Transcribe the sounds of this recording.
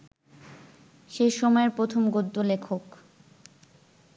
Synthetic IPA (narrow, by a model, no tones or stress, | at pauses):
ʃeʃɔmɔeɾpɾot̪ʰomɡod̪ːolekʰok